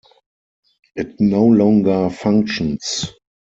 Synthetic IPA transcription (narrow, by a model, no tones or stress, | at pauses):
ʔɪtnoʊlɔ̃ŋɡə˞fãŋkʃɔ̃ns